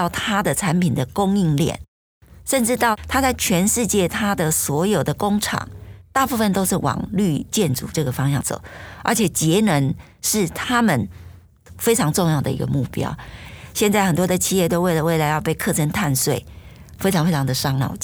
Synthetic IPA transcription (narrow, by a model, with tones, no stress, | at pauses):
ʊt̪ʰa˥d̪ə˨ʈ͡ʂʰa˧˦npi˨˩nd̪ə˩kʊ˥ŋi˥˧ŋljɛ̰˥˩n | ʂə˥˧nʈ͡ʂɻ̩˥˧t̪ɑ˥˩ʊt̪ʰa˥t͡sa˥˩ɪt͡ɕʰɥɛ˧˥nʂɻ̩˥˧t͡ɕjɛ˥˩t̪ʰa˥d̪ə˨swɔ˧˥jo˨˩ʊd̪ə˩kʊ˥ŋʈ͡ʂʰɑ̰˨˩˦ŋt̪a˥˧pu˥˧˩fə˨nt̪o˥ʊʂɻ̩˥˩wɑ̰˨˩ŋly˥˧t͡ɕjɛ˥˨nʈ͡ʂṵ˨˩ʈ͡ʂɤ˥˩ɡə˩fɑ˥ŋɕjɑ̰˥˨ŋso̰˨˩˦ə̰˞˧˥t͡ɕʰjɛ˨˩t͡ɕjɛ˧˥nə˧˥n | ʂɻ̩˥˩t̪ʰa˥mə˨n | fe˥ɪʈ͡ʂʰɑ˧˥ŋʈ͡ʂʊ˥˧ŋjɑ˥˩ʊd̪ə̰˨˩ḭ˧˥ɡə̰˧mu˥˩pjɑ̰˥ʊɕjɛ˥˧nt͡sa˥˩ɪxə˨˩nt̪wɔ˥d̪ə˨t͡ɕʰi˥˧jɛ˥˧t̪o˥ʊwe˥˩ɪlə˩we˥˩ɪla˧˥ɪjɑ˥˧ʊpe˥˧ɪkʰɤ˥˩ʈ͡ʂʰə˧˥nt̪ʰa˥˧nswe˥˩ɪ | fe˥ɪʈ͡ʂʰɑ˨˧ŋfe˥ɪʈ͡ʂʰɑ˨˧ŋd̪ə˨ʂɑ˥ŋlɑ̰˨˩ʊ